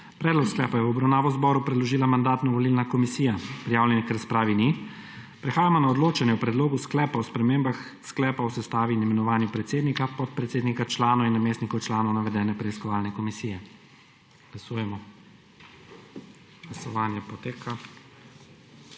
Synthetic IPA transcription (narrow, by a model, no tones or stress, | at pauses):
pɾɛːd̪lɔksklɛːpajɛwɔbɾawnaːʋɔzbɔɾupɾɛd̪lɔʒiːlamand̪aːt̪nɔʋɔlilnakɔmisiːjapɾijaːwlʲjɛnikɛɾspɾaːʋini | pɾɛxaːjamɔnaɔd̪loːt͡ʃanjɛwpɾɛd̪loːɡusklɛːpawspɾɛmeːmbax | sklɛːpawsɛst̪aːʋinɛmɛnɔʋaːnjupɾɛt̪seːd̪nikapɔt̪̚pɾɛt̪seːd̪nikat͡ʃlaːnɔwinːameːsnikɔwt͡ʃlaːnɔwnaʋɛd̪ɛːnɛpɾɛiskɔʋaːlnɛkɔmisijɛ | ɡ̥lasuːjɛmɔ | ɡ̥lasɔʋaːnjɛpɔt̪eːkʰa